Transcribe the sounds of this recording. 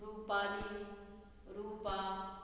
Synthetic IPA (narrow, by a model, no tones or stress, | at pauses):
ɾupali | ɾupa